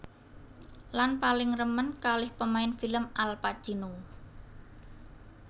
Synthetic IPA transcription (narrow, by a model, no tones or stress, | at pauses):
lanpalɪŋrəmənkalɪhpəmaɪnfiləmalpḁʒ̥inu